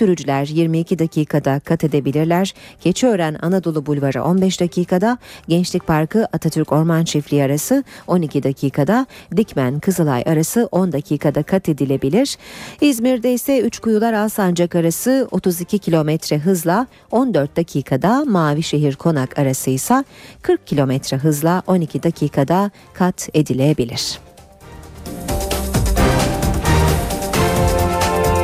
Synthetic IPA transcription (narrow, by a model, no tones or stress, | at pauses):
syɾyd͡ʒlʲæɾjiɾmiːcʰid̪acʰiːkʰad̪akʰat̪ʰe̞d̪e̞bilʲiɾlʲæɾ̥ɟ̥e̞t͡ʃʰiø̞ːɾæna̰nad̪o̞lˠubulʲvaɾa̰ʔo̞nbɛʃd̪acʰiːkʰad̪aɟɛnt͡ʃlʲic̚ʲpʰaɾkɯʔat̪ʰat̪ʰyɾco̞ɾmanʃiflʲiaɾasɯo̞nicid̪acʰiːkʰad̪ad̪icmænkʰɯzɯlˠa̰ja̰ɾasɯʔo̞nd̪acʰiːkʰad̪akʰat̪ʰe̞d̪ilʲe̞bilʲiɾ̥izmiɾd̪ɛisɛyt͡ʃkujulˠaɾasand͡ʒakaɾasɯo̞t̪ʰuzicʰicʰilʲo̞mɛt̪ʰɾɛɦɯzlˠa | o̞nd̪øɾt̪̚d̪acʰiːkʰad̪amaːviʃe̞ɦiɾkʰo̞nakʰaɾasɯjsakʰɯɾk̚cʰːilʲo̞mɛt̪ɾɛɦɯzlˠaʔo̞nicʰid̪acʰiːkʰad̪a | kʰat̪ʰe̞d̪ilʲeebilʲiɾ̝̥